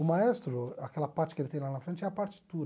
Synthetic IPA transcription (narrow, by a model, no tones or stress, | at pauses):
ʊmaɛst̪ɾʊakɛlɐpaɾt͡ʃɪ̥kelɪt̪ẽj̃lanɐfɾẽnt͡ʃɪɛɐpaɾt͡ʃi̥t̪uɾ